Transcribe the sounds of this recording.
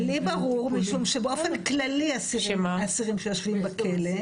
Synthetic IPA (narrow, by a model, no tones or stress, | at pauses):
libaʁuʁmiʃumʃebeo̞fenklaliasiʃemaasiʁimʃejoʃvimbakʰele